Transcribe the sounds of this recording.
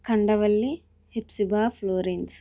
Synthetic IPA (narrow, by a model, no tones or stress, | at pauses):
kɐɳɖɐʋɐlːi | hepsibaːploːɾens